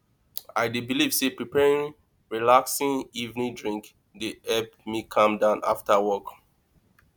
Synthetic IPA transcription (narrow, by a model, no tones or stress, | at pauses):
aɪdibiliv̥sepɹipʰɛɹĩŋ | ɹilaksĩŋivnĩdɹĩŋk | dehɛpmikʰãmdãʊ̃na̰ftawɔk